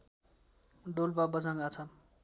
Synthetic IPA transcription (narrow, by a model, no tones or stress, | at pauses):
ɖolbabʌd͡zaŋɡat͡sʰʌ